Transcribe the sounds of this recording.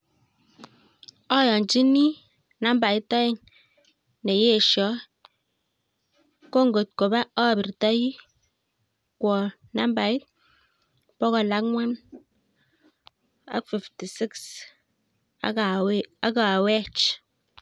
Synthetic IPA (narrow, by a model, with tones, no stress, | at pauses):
ɔ˦˨jɔ˨nd͡ʒi˦ni˦ | na˦mba˨ji˦tɔ˦je˦ŋ | ne˨je˦˨ʃɔ˨˦ | ko˦˨ŋ˦ɡo˨t̚ko˨ba˦ɔ˦˨bi˨ɾta˦ji˦ | kwɔ˨ | na˦mba˨ji˦t̚ | pɔ˦kɔ˨la˦kŋʷa˦n | a̰˦fi˨fti˨si˦ks | a˦ka˨wɛ˦t͡ʃ